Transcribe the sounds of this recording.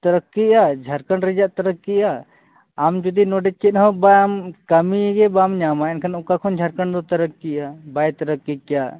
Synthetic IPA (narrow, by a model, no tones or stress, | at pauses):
t̪əɾəkːiad͡ʒʱaɾkəɳɾɛd͡ʒaʔt̪əɾəkːiaː | md͡ʒɔd̪inɔɖɛt͡ʃit̪̚ɦɔ̃bajamkəmiɡɛbamɲamaɛnkʰanaukakʰɔnd͡ʒʱaɾkəɳd̪ɔt̪əɾəkːiabajt̪əɾəkːikja